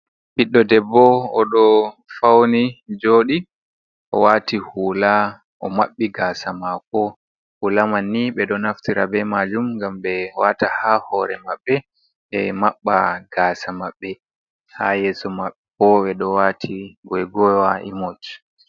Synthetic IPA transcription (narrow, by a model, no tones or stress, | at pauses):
ɓiɗːɔdɛbːɔɔɗɔfawnid͡ʒoːɗi | ʔɔ̰watihuːla | ʔɔmaɓːiɡaːsamakɔ | hulamanːiɓɛɗɔnaftiɾabɛmad͡ʒumɡamɓɛwatahahɔɾɛ̰maɓːɛ | ɛmaɓːa̰ɡ̥aːsamaɓːɛ | ha̰jɛsɔmaɓɛpɔwɛɗɔwatʰiɡɔjɡɔwaʔimɔt͡ʃ